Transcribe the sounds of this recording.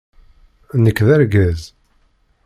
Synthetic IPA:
nəkːðæɾɡæz

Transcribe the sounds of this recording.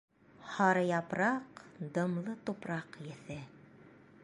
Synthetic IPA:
hɑɾɤjɑpɾɑqd̪ɤ̆mlˠɤt̪upɾɑqjɘ̆θɘ

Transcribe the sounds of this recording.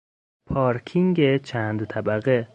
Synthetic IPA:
pʰɒːɾkʰiŋɡet͡ʃʰæːnd̪t̪ʰæbæɣe

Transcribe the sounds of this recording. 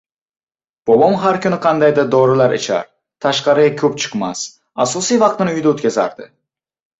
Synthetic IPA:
b̥obɒmɦaɾkʲʰʊnɪqʰɑnd̪ajd̪ad̪ɒɾɪlaɾɪ̰t͡ʃʰa̰ɾ | t̪ʰaʃqɑɾɪakʲʰɵpt͡ʃʰɨ̥qmas | asɒsijvɑqt̪ɪnɪʊjd̪aɵt̪kʲʰaza̰ɾd̪̥ɪ

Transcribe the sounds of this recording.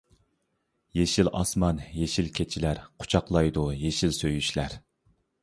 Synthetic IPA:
jeʃilɑ̰smɑnjeʃilkʲʰet͡ʃʰilæɾqʰʊ̥t͡ʃʰɑqlˠɑjd̪ujeʃilsøjyʃlæɾ

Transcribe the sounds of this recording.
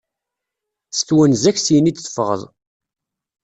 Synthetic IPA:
sθwənzæçsijənit͡s̪θə̥fʁə̰ðˤ

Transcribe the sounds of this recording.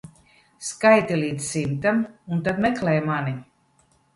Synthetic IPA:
skajt̪iliːd̪ssimt̪amunt̪ad̪mɛklɛjmani

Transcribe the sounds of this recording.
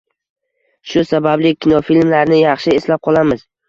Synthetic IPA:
ʃʊsabablɪkʲʰɪnɒfilmlaɾnɪjɑχʃɪeslap̚qʰɒlˠamɪz

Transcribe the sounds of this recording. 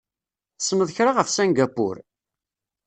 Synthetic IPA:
θə̥sənəðˤçɾaʁəfsænɡæpːʊ̰ɾ

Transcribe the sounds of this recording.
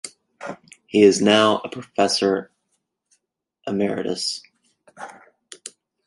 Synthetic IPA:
hiɪznaʊəpʰɹ̥ɨfɛsə˞ | ʔəmɛɹɨ̰ɾɨ̰s

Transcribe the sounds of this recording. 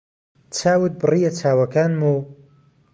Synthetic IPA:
t͡ʃʰaːwɨt̪̚bɨrijɐt͡sʰaːwɐkaːnmu

